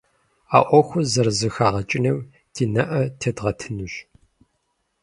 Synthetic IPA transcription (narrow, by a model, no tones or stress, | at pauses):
a̰ːʔʷɔxʷʊzɐrzɨxaːʁɐt͡ʃʼɪnɐw | d̥ʰiːnɐʔɐtʰedʁɐtʰɨnuɕ